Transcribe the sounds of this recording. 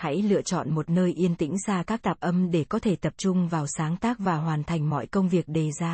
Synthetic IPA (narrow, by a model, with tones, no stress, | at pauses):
ha̰˧˥jlɨ̰˧˨ət͡ɕɔ̰˧˨nmo˨˩t̚nəː˧jʔi˧ənt̪ḭ˧˥ŋ̟saː˧kaː˦˥k̚ɗ̪aː˨˩p̚ʔə˧mɗe˧˩kɔ˨˦t̪ʰe˧˩t̪ə˨˩p̚t͡ɕʊ˧ŋ͡mvaː˨˩wsaː˨˦ŋt̪aː˦˥k̚vaː˨˩ɦwaː˨˩nt̪ʰa˨˩jŋ̟mɔ̰˧˨jkə˧wŋ͡mvi˨˩ək̚ɗe˨˩zaː˧